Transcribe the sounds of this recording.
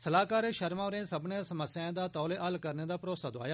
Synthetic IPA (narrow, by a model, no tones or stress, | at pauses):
səlaːkaːɾeʃəɾmãːɾẽːsəbnẽːsəməsːjãːd̪aːt̪ɔːleːʔəlkəɾneːd̪aːpɾoːsaːd̪oa̰ːjaː